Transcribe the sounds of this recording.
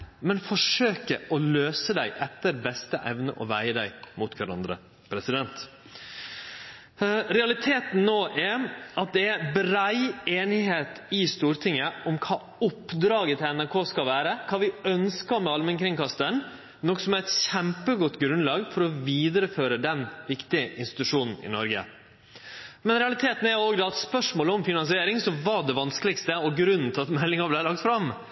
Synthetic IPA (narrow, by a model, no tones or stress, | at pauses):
mɛnfɔʂøːkəʔɔløːsəd̪æɪʔɛt̪ːəɾbɛst̪əʔɛʋnə̰ʔɔʋæɪəd̪æɪmut̪ʋæɾɑ̰nd̪ɾə̰ | pʰɾɛsɪd̪ɛnt̪ | ɾɛɑlɪt̪ʰeːt̪n̩noːʔæɑt̪̚d̪ɛæɾbɾæɪeːnɪɦeːt̪ɪst̪uːɾt̪ʰɪŋːəʔɔmkʰɑː | ʊpːd̪ɾɑːɡət̪ʰɪɛnæɾkʰoːskɑlʋæːɾəkʰɑːʋɪœnskɑɾmɛɑlmənkɾɪŋkɑst̪ən | nɔkːsɔmæɾɛt̪ɕɛmpəɡɔt̪ːɡɾʉnlɑːɡfɔɾɔʋiːd̪əɾəføːɾəd̪ɛnʋɪkt̪ɪəʔɪ̰nst̪ɪt̪ʉʂuːnn̩ɪ̰nɔɾɡə̰ | mɛnɾɛɑlɪt̪ʰeːt̪n̩æɾoːɡd̪ɛːɑt̪spœʂmoːləɔmfɪnɑns̬ɪeːɾɪŋsɔʋɑɖɛʋɑnskəlɪkst̪əɔɡɾʉnn̩t̪ʰɪɑt̪mɛlːɪŋɑblæɪlɑk̚t̪fɾɑm